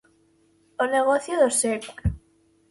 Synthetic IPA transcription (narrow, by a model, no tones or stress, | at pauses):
oneɣoθjoðosek